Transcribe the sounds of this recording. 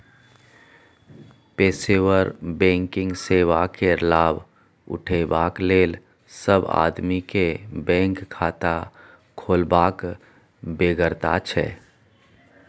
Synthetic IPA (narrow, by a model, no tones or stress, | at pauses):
peːsewəɾbɛ̃ːŋkɪ̃ŋɡseːwakelaːb | ʊ̰ʈʰebaːkleːl | səba̰ːd̪mikebɛ̃ːŋkʰːaːt̪a | kʰoːlbaːk | beɡəɾt̪at͡ʃʰɛ̰ː